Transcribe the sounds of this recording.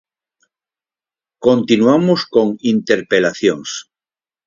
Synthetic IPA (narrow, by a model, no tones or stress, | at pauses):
kont̪inwamoskoŋint̪eɾpelaθjoŋs